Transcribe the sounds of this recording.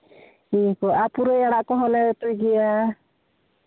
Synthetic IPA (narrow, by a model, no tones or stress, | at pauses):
ikɔapuɾɔjaɽaʔkɔɦɔlɛt̪ɔjɡɛja